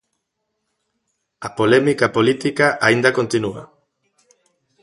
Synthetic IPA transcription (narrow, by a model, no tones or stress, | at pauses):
apolemikapolit̪ikaʔaind̪akont̪inua̰